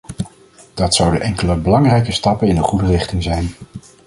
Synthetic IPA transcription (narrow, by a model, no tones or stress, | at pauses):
d̥ɑtsʌwdəʔɛŋkələbəlɑŋrɛjkəstɑpənɪnəχudərɪχtɪŋzɛjn